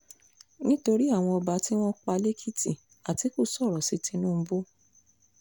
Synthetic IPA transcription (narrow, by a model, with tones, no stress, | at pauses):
nĩ˦to˧ɾi˦a˦˨w̃ɔ̃˧ɔ˧ba˨˦ti˦w̃ɔ̃˦k͡pa˧le˦kʰi˦ti˦˨ | a˨ti˨˦ku˦˨sɔ˦˨ɾɔ˨si˨˧tĩ˧˦nũ˦˧˦bo˦